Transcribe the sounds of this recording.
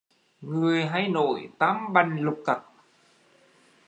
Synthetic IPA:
ŋɨ˨˩əjɦa˧jno̰˧˨jt̪aː˨˦mɓa˨˩jŋlʊ˨˩k͡p̚kə˨˩t̚

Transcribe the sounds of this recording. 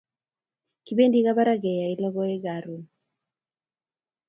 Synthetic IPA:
ki˨be˦ndi˦ka˦ba˦ɾa˦ɡɛ˨ja˨i˦lɔ˦ɡɔ˦e˦ɡa˨ɾu˨n

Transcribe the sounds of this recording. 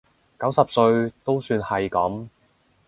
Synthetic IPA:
kɐ˨˥wsɐ˨p̚sɵ˧ɥt̪o˥wsyː˧nhɐ˨jkɐ˨˥m

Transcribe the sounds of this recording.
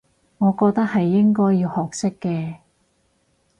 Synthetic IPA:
ŋɔː˨˧kɔː˧k̚t̪ɐ˥k̚hɐ˨jːɪ˥ŋkɔː˥jːiː˧whɔː˨k̚sɪ˥kːɛː˧

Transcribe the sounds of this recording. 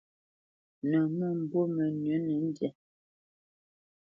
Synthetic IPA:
nə˨mɔ˦˨m̩˨bo˦mə˨nɥə˨˦nə˨˦n̩˦djɛ˦

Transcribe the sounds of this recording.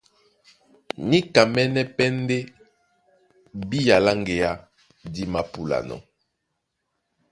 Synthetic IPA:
ni˦ka˨mɛ˦nɛ˦pɛ˦n˦de˦ | bi˦ja˨la˦ŋɡe˨ja˦ | di˦ma˨pu˨la̰˨nɔ̰˨

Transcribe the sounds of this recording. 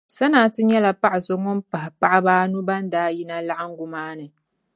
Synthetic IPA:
sa˦naː˨˦tʊ˦ɲɛ˦la˨pa˦ʔɪ˨so˨ŋo˦mpa˨hɪ˨pa˦ʔɪ˦baː˦nu˦ba˦n˦daː˦ji˦na˦la˦ʔɪ˦ŋ̩˦ɡʊ˨maː˦nɨ˨

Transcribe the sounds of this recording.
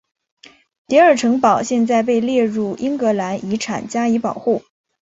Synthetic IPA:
t̪i˧˥ə˞˨˩ʈ͡ʂʰɤ˧˥ŋpɑ˨˩ʊɕjɛ˥˧nt͡sa˥˧ɪp̬e˥˧ɪljɛ˥˧ɻu˥˩ʔi˥ŋkɤ˧˥la˧˥ni˧˥ʈ͡ʂʰa̰˨˩nt͡ɕja˥i˧˥pɑ˨˩ʊxu˥˩

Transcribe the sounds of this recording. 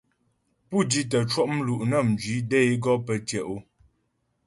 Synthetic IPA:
pu˦˨di˦tə˨t͡ʃwɔ˦˨ʔm̩˦lu˨ʔnə˦˨m˨d͡ʒɥi˨˦dɛ˦˨e˦ɡɔ˦pə˨tjɛ˨ʔo˦

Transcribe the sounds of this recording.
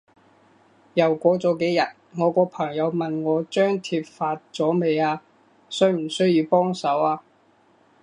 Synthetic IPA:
jɐ˨˩wkʷɔː˨˧t͡sɔː˨˧ke˨˥jɐ˨t̚ŋɔː˨˧kɔː˧pʰɐ˨˩ŋjɐ˨˧wmɐ˨nŋɔː˨˧t͡ʃœː˥ŋt̪ʰiː˧p̚faː˧t̚t͡sɔː˨˥me˨˧jaː˧ | sɵ˧˥ɥm̩˨˩sɵ˥ɥjiː˨˧wpɔː˥ŋsɐ˨˥waː˧

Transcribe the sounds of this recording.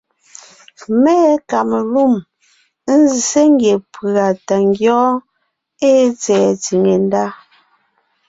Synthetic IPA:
mɛː˦ka˨me˨lu˦˨m | n̩˦zi˨se˦ŋ˦ɡje˨pa˨ta˨ŋ˦ɡjɔː˦ | e˦t͡sɛː˨ti˨ŋe˨n˦da˦

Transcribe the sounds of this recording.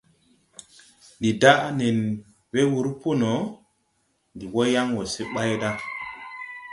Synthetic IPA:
ndi˨da˦ʔne˨n | we˦wu˨ɾpu˦no˨˦ | ndi˨wo˦ja˦ŋwo˨se˦ɓa˦jda˦

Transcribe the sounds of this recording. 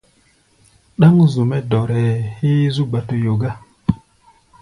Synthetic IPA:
ɗa˦ŋ˦zu˨me˦dɔ˨ɾe˨hi˦zu˦ɡ͡ba˨to˨jo˨ɡa˦

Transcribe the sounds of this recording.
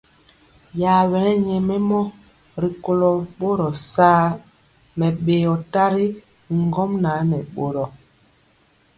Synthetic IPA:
ja˨wɛ˨˦ɲɛ˨mɛ˦mɔ˦ | ɾi˨ko˨lɔ˨ɓo˦ɾɔ˨saː˦ | mɛ˨ɓe˨ɔ˨ta˦ɾi˦ | ŋ˦ɡɔ˦mna˨˦nɛ˨ɓo˦ɾɔ˨

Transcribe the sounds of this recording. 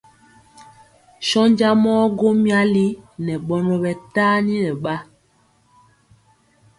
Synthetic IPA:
ʃɔ˦ɲd͡ʒa˦mɔː˦ɡo˦mi˦a˦li˦nɛ˨ɓɔ˦nɔ˨ɓɛ˨taː˦ni˦nɛ˨ɓa˦

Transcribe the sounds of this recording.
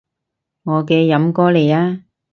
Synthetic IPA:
ŋɔː˨˧kɛː˧jɐ˨˥mkɔː˥le˨˩jaː˧˥

